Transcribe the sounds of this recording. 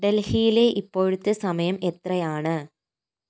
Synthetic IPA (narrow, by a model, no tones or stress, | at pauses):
ɖelhijileʔipːo̞ːɻut̪ːɨsɐmɐjɐme̞t̪rɐjaːɳɨ